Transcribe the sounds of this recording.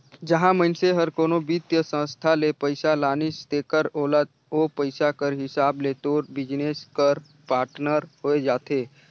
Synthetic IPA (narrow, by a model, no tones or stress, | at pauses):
d͡ʒəɦãmənseɦəɾkoːnobit̪jəsə̃st̪ʰalepəɪsalaːnɪst̪eːkəɾoːlət̪̚ | opəɪsakəɾɦɪsaːblet̪oːɾbɪd͡ʒneskəɾ | paːɾʈnəɾhoːed͡ʒaːt̪eː